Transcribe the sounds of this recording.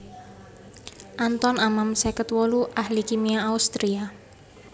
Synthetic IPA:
ʔant̪ɔnamamsɛkət̪wɔluʔahlikimiaːust̪ɾia

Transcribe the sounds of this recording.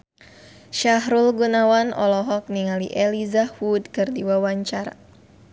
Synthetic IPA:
ʃaɦɾulɡunawanɔ̰lɔɦɔk̚niŋaliʔelizawudkɨrdiwawaɲt͡ʃaɾa̰

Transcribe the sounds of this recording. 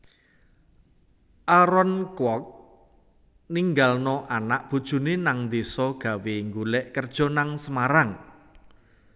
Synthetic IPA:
ʔaɾɔnkwɔk̚ | niŋɡalnɔʔanaʔb̥ṳd̥ʒ̥ṳnenaŋnd̪esɔɡ̥a̤weŋɡulɛʔkərd̥ʒ̥ɔ̤naŋsəmaɾaŋ

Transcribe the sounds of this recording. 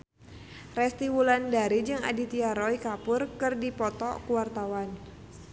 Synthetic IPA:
rɛst̪iwulandaɾid͡ʒɨŋa̰dit̪iaɾɔikapʊrkɨrdipɔt̪ɔ̰kuwart̪awan

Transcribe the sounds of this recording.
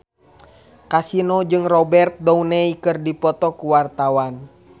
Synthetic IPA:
kasinod͡ʒɨŋrɔbɛrt̪̚dɔunɛikɨrdipɔt̪ɔkuwart̪awan

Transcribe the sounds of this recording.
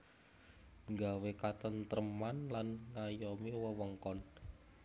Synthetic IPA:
ŋɡawekat̪ənt̪əɾəmanlanŋajɔmewəwəŋkɔn

